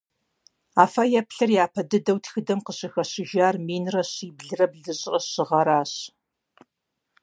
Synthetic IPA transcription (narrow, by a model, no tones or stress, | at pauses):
aːfɐjɛpɬɐrjaːpʰɐdɨdɐwtʰxɨdɐmqəɕɪxɐɕɪʒaːrmiːnrɐɕiːbɮɨrɐbɮɨɕʼɐɕɪʁɐɾaːɕ